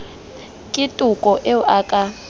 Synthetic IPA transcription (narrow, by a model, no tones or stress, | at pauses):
kʼitʼukʼɔʔeuʔaːkʼa